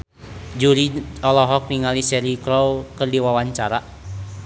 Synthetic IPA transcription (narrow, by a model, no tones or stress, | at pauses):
d͡ʒuɾiɔlɔɦɔk̚niŋalisɛɾikɾɔwkɨrdiwawaɲt͡ʃaɾa